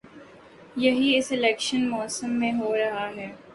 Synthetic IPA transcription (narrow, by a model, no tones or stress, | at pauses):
jɐɦiɪsɪlɛːkʃənmɔːsəmːẽɦoːɾɐɦaɦɛː